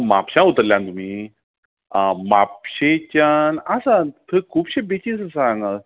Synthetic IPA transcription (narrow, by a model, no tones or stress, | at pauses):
mapɕãut̪əɾljãnt̪um̤iː | mapɕet͡ɕanasãt̪ʰəkʰuːpɕebet͡ɕisəsaŋa